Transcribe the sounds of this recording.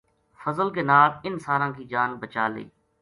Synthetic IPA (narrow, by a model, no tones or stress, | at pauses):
fʰəzəlkeːnaːlɪnsaːɾãːkiːd͡ʒaːnbət͡ʃaːlḛː